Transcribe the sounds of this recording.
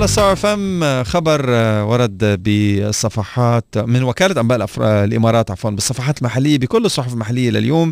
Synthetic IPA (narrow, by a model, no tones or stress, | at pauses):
alɑsˤɑʕɾfamxɑbɑɾˤwɑɾˤɑd̪bɪsˤːɑfɑħɑːt̪mɪnwɪkaːlaʔambaːʔɪlʔa̰fɾ̰ɪlʔɪmɑːɾˤɑːt̪ʕa̰fwaːnbɨsˤːɑfɑħɑːt̪ɪlmaħalːɪjːabɪkʊlːɨsˤːʊħʊflmaħalːɪjːalɪ̰ljoːm